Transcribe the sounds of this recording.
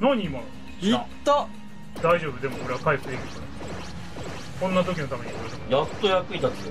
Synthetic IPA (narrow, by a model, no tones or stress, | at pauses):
noɲ̟ʲːiːmano | it̪ːa | d̪aiʑo̞ːbɯ̟d̪e̞mo̞oɾe̞βakaiɸɯd̪ekʲi̥t̪one | kõ̞nːat̪o̞kʲino̞t̪ame̞ɲ̟ikoɾot̪amjat̪ːojakɯ̟it̪at̪eo